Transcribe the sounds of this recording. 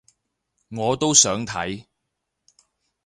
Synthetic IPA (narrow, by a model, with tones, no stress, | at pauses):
ŋɔː˨˧t̪o˥wsœː˨˥ŋt̪ʰɐ˨˥j